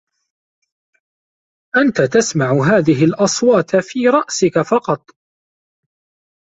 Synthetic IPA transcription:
ʔant̪at̪asmaʕʊɦaːðɪɦɪlʔɑsˤwɑːt̪fiːɾˤɑʔsɪkafɑqɑt̪ˤ

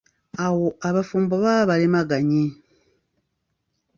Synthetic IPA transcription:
awoaβafuːmboβaβalimaɡaɲi

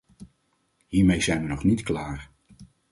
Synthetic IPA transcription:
ɦiːɹmejzɛjnʋənɔχnitklaːr

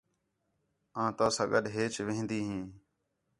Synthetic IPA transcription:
ãːt̪aːsãːɡəɗɦeːt͡ʃʋẽɦnd̪iːɦĩː

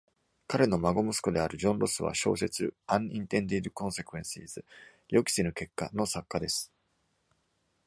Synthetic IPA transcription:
kaɾe̞no̞maɡo̞mɯsɨ̥ko̞d̪e̞aɾɯ̟ʑõ̞nɾo̞sɨβa̰ɕo̞̰ːse̞t͡sɨãɰĩnt̪ẽ̞nd̪id̪ɯ̟kõ̞ɰ̃se̞kɯ̟ẽ̞ɰ̃sḭːzɨ | jo̞kʲi̥senɯ̟ke̞kːano̞sakːad̪e̞sɨ̥

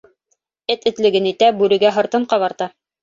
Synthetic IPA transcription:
ɘt̪ɘ̆t̪lɘ̆ɡɘnit̪æbʉɾɘ̆ɡæɦɤ̆ɾt̪ɤɴqɑβɑɾt̪ɑ

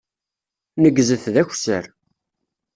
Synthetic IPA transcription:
nəɡzəθðæçsə̰ɾ

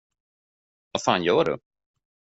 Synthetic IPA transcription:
vafaːnjœːɖɵ̰

